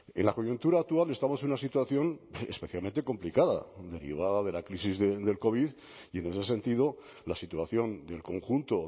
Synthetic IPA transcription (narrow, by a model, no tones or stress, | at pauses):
enlako̞junt̪uɾaːk̚t̪uale̞st̪amo̞senunasit̪waθjo̞nḛspe̞θjalment̪e̞ko̞mplikaða̰d̪e̞ɾḭβ̞aðaðe̞lakɾisizðed̪e̞lko̞β̞ið | ie̞ne̞se̞se̞nt̪iðo | lasit̪uaθjo̞nd̪e̞lko̞ŋxunt̪o